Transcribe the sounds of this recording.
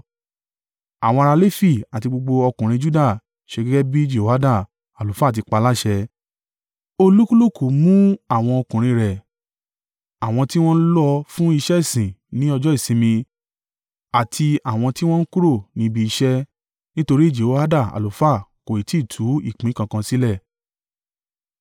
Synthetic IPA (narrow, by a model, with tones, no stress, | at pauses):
a˨w̃ɔ̃˧ɾa˧le˦fi˦˨a˨ti˧ɡ͡bo˧ɡ͡bo˧ɔ˧kũ˨ɾ̃ĩ˧d͡ʒu˦da˦˨ | ʃe˧ɡɛ˦ɡɛ˦bi˦d͡ʒe˦˨o˨a˦da˦˨ | a˨lo˨fa˦˨t̬i˧k͡pa˧la˦ʃɛ˧ | o˧lu˦ku˦lu˦˨ku˨mũ˦a˦˨w̃ɔ̃˧ɔ˧kũ˨ɾ̃ĩ˧ɾɛ˨ | a˨w̃ɔ̃˧ti˦w̃ɔ̃˦n̩˦lɔ˦˧fũ˦i˧ʃɛ˦i˦˨sĩ˨nĩ˨˦ɔ˧d͡ʒɔ˦i˦˨sĩ˨˧˦mĩ˧ | a˨tʰi˧a˨w̃ɔ̃˧ti˦w̃ɔ̃˦n̩˦ku˦ɾo˦˨nĩ˨˧˦bi˧i˧ʃɛ˦ | nĩ˦to˧ɾi˦˨d͡ʒe˨o˨˦ha˦da˦˨a̰˨lo˨˦fa˦˨ko˨i˨ti˦˨tʰu˨˦i˦˨k͡pĩ˨˦kã˧kã˧si˦lɛ˦˨